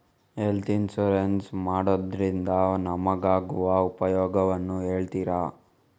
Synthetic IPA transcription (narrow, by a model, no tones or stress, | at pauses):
ɦelt̪insuɾensmaːɽod̪ɾind̪ɐnɐmɐɡaːɡuʋɐupɐjɔːɡɐʋɐnːueːɭt̪iːɾaː